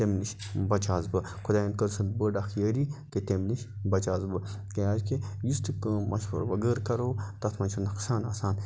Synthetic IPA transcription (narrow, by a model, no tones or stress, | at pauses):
t̪emniʃbɐt͡ʃaːzbɨ | kʰud̪aːjɐnkɐɾsɐnd̪̚bəɖaxjəːɾiket̪emniʃbɐt͡ʃaːzbɨkejaːd͡ʒkejist̪ɨkmɐ̰ʃbɐ̰ɾʋɐɡəːɾkɐɾoːt̪ɐt̪ʰmɐnʲt͡ʃʰɐnɐksaːnɐ̰ːsaːn